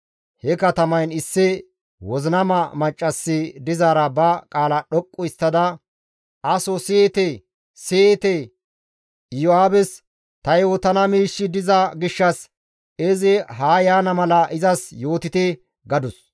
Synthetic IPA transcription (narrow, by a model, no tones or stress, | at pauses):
hɛkɐt̪ɐmɐjnɪsːɪ | wɔzɪnɐmɐmɐt͡ʃʼːɐsːɪd̪ɪzaːɾɐbɐkʼaːlɐɗɔkʼːʊɪst̪ːɐd̪ɐ | ɐsɔsɪt̪e | set̪ɛ | joaːbɛs | t̪ɐjoːt̪ɐnɐmiːʃːɪd̪ɪzɐɡɪʃːɐs | ɛzɪɦaːjaːnɐmɐlɐʔɪzɐsjo̞ːt̪ɪt̪ɪ | ɡɐd̪ʊs